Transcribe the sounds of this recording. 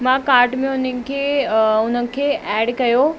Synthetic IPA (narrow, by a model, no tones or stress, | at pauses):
mãːkaːɾʈmẽʊnənɪ̆kʰeːʊnənɪ̆kʰeːʔɛːɖkɐjo